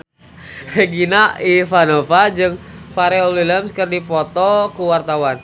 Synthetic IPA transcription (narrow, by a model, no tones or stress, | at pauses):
feɡinaifanofad͡ʒɨŋfaɾɛoliləmskərdipɔt̪ɔkuwart̪awan